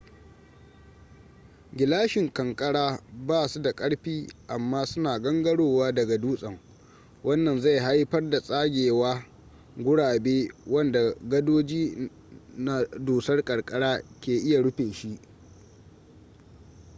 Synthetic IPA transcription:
ɡʲɪ˨laː˦ʃɪ˨ŋkɐ˨ŋkʼɐ˦ɽaː˦baː˦˨su˦da˨kʼɐ˦ɽɸiː˦ʔa˨mːaː˦sʊ˦naː˨ɡɐ˦ŋɡɐ˦ɽoː˨waː˦dɐ˨ɡa˨duː˦sʼɐ˨ŋ | wɐ˦nːɐ˨nza˦˨jɦa˦jɸɐ˦rda˨sʼaː˦ɡʲeː˨waː˦ | ɡʷʊ˦ɽaː˨beː˦wɐ˦nda˨ɡɐ˦doː˦d͡ʒiː˦ | na˦duː˨sɐ˦rkʼɐ˨ɽkʼɐ˦ɽaː˦kʲeː˨ʔɪ˦ja˨ɽʊ˦ɸeː˨ʃi˦ʔ

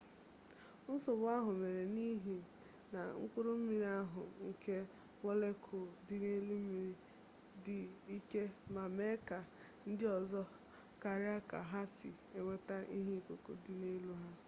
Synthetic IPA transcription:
n̩˦so˨ba˦ɦʊ˨me˨ɾe˨ni˦ɦi˨ | na̰˨ŋ̩˦kʷʊ˦ɾʊ˦m̩˦mi˨ɾi˦a˦ɦʊ̰˨ŋ̩˨ke˦ | ŋʷo˦le˦kʰo˨dɪ˦ne˦li˦m̩˦mi˨ɾi˦ | dɪ˨i˦ke˦ma˨me˦ka˨ | n̩˦dɪ˦ɔ˨zɔ˦ | ka˨ɾɪ˦a˦ka̰˨ɦa˦sḭ˨ | e˨ŋʷe˦ta˦ʔi˦ɦi˦˨ko˨ko̰˨dɪ˦ne˦lu˦ɦa˦

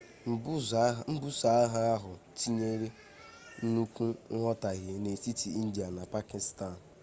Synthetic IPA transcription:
m̩˨˦m̩˦bu˦sa˦a˦ɦa˦a˦ɦʊ˨t͡ʃi˦ɲe˦ɾe˦ | n̩˦nu˦kʷu˦ŋɔ˦ta˨ɣe˨ne˨si˦ti˨i˦n̩˦da˨na˨pa˦ki˨sta˦˨n

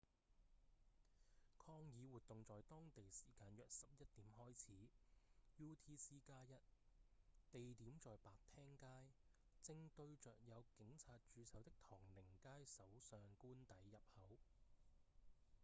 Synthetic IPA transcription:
kʰɔː˧ŋjiː˨˧wuː˨t̪ʊ˨ŋt͡sɔː˨jt̪ɔː˥ŋt̪e˨jsiː˨˩kaː˧njœː˨k̚sɐ˨p̚jɐ˥t̚t̪iː˨˥mhɔː˥jt͡sʰiː˨˥juː˥t̪ʰiː˥siː˥kaː˥jɐ˥t̚ | t̪e˨jt̪iː˨˥mt͡sɔː˨jpaː˨k̚t̪ʰɛː˥ŋkaː˥j | t͡sɪ˧ŋt̪ɵ˧ɥt͡ʃœː˨k̚jɐ˨˧wkɪ˨˥ŋt͡sʰaː˧t̚t͡ʃyː˨˧sɐ˨˥wt̪ɪ˥k̚t̪ʰɔː˨˩ŋlɪ˨˩ŋkaː˥jsɐ˨˥wsœː˨ŋkuː˥nt̪ɐ˨˥jːɐ˨p̚hɐ˨˥w

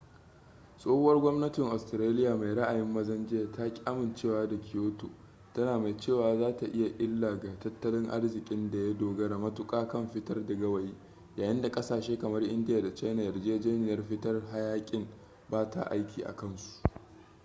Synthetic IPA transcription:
sʼoː˦ho˦wɐ˦rɡʷɔ˦mnɐ˦tɪ˨ŋʔa˨stɪ˨ɾaː˦lɪ˦jaː˨ma˨jɾɐ˦ʔa˨jɪ˦mːɐ˦zɐ˦nd͡ʒɪ˦a˨ta˦kʲʼaː˦mɪ˨nt͡ʃeː˦˨waː˦da˨kʲʰɪ˨joː˦to̰ː˨ | tɐ˦naː˨ma˨jt͡ʃeː˦˨waː˨zaː˦ta˨ʔɪ˦ja˨ʔɪ˦lːaː˨ɡa˨tɐ˦tːɐ˦lɪ˦ŋʔa̰˦rzɪ˨kʲʼɪ˦nda˨ja˦doː˨ɡɐ˦ɽa˨mɐ˦tʊ˦kʼaː˦kɐ˦mɸɪ˦tɐ˦rdɐ˨ɡɐ˦wɐ˨jiː˦ | jaː˨jɪ˦nda˨kʼɐ˦saː˨ʃeː˦kɐ˨mɐ˦rʔɪ˦ndɪ˦ja˨da˨t͡ʃa˦jna˨jɐ˨rd͡ʒɪ˦d͡ʒɛː˦nɪ˨jɐ˦rɸɪ˦tɐ˦rɦa˦jaː˦kʲʼɪ˦ŋ | baː˦ta̰˨ʔa̰˦jkʲʰiː˨ʔa̰˨kɐ˦nsu̥˨ʔ

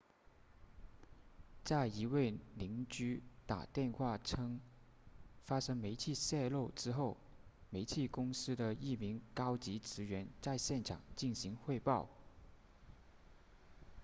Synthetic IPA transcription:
t͡sa˥˩ɪi˧˥we˥˩ɪli˧˥ŋt͡ɕy˥t̪a̰˨˩t̪jɛ˥˧nxwa˥˩ʈ͡ʂʰɤ˥ŋ | fa˥ʂɤ˥ŋme˧˥ɪt͡ɕʰi˥˧ɕjɛ˥˧lo˥˩ʊʈ͡ʂɻ̩˥xo˥˩ʊ | me˧˥ɪt͡ɕʰi˥˩kʊ˥ŋsɹ̩˥d̪ə˨i˥˩mi˧˥ŋkɑ˥ʊt͡ɕi˧˥ʈ͡ʂɻ̩˧˥ɥɛ˧˥nt͡sa˥˧ɪɕjɛ˥˩nʈ͡ʂʰɑ̰˨˩ŋt͡ɕi˥˩nɕi˧˥ŋxwe˥˧ɪpɑ˥˩ʊ

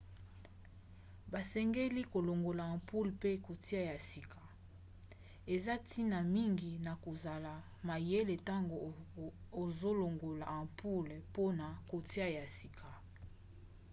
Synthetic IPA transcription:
ba˨sɛ˦ŋɡe˦li˦ko˨lo˨ŋɡo˨la˨ã˨pu˦lpe˦ko˨ti˦a˦˨ja˨si˨kʰa˨ | e˨za˦tʰi˦na˨mi˦ŋɡi˨na˨ko˨za˨la˨ | ma˨je˦le˨ta˦ŋɡo˨ | o˨zo˦lo˨ŋɡo˨la˨ã˨pʰu˦lpo˦na˨ko˨ti˦a˦ja˨si˨kʰa˨

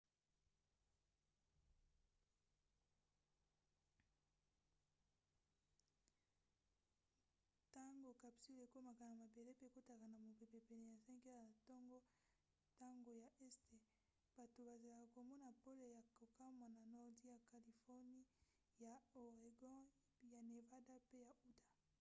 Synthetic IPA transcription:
ta˦ŋɡo˨ka˨psi˦le˨ko˦ma˨ka˨na˨ma˨be˨le˦pe˦˨ko˦ta˨ka˨na˨mo˨pe˨pe˨pe˨ne˨ja˨sɛ˦ŋɡe˦la˨a˨tɔ˦ŋɡɔ˦ | ta˦ŋɡo˨ja˨ʔɛ˦ste˨ | b̥a˨to˨ba˨za˨la˨ka˨ko˨mɔ˦na˨po˦le˨ja˨ko˨ka˦mwa˨na˨nɔ˨ʁdi˦ja˨ka˨li˨fɔ˦ni˦ | ja˨o˨ʁe˨ɡɔ̃˦ | ja˨ne˨va˦da˦pe˦ja˨ʔu˦tḁ˨

